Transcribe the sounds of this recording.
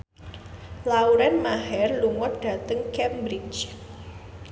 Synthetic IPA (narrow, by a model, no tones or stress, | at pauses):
lauɾɛnmaɦɛrluŋɔt̪̚d̥ä̤t̪əŋkɛmbɾit͡ʃ